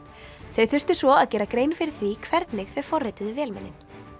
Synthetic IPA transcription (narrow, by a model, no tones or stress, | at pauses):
θeðθʏr̥t̪ʏsvɔaðcɛːɾakɾeːjnfɪɾɪɾ̥θvikʰvɛɾt̪nɪxθeð̥fɔrːɛjt̪ʏðʏvjɛːlmɛ̰nːɪ̰n̥